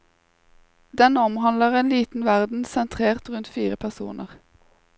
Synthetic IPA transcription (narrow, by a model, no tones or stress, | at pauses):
d̪ɛnɔmhɑnləʁeːnliːt̪n̩ʋæʁd̪n̩sɛnt̪ʰʁeːʁt̪ʁʉnt̪fiːʁəpʰæʁsṵːnʔəʁ